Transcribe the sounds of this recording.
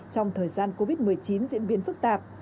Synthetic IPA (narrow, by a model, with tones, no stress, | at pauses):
t͡ɕɔ˧wŋ͡mt̪ʰəː˨˩jzaː˧nko˧vi˦˥t̚mɨ˨˩əjt͡ɕi˨˦nzḭ˧˥ənɓi˨˦ənfɨ˦˥k̚t̪aː˨˩p̚